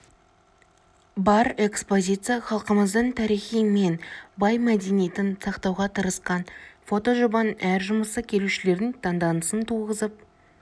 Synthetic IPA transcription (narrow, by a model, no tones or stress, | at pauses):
bɑɾe̞kspo̞zʲijt̪sɨjaχɑlˠqəməzd̪əɴt̪ʰɑɾiχijme̞nbɑjmæd̪enijet̪ɪnsɑqt̪ɑwʁɑt̪ʰəɾəsqɑnfo̞t̪o̞ʒobɑnəʔæɾʒʊməsəkʲʰe̞luʃɪle̞ɾd̪ɪŋt̪ʰɑnd̪ɑnəsənt̪ʰuʁəzəp̚